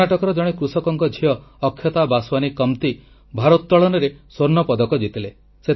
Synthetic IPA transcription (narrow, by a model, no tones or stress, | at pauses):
aʈɔkɔɾɔd͡ʒɔɽ̃ekɾusɔkɔŋkɔd͡ʒʱiɔːkʰːjɔt̪abaswanikɔmt̪i | bʱaɾot̪t̪ɔɭɔnɔɾesoɾnɔpɔd̪ɔkɔd͡ʒit̪ile | se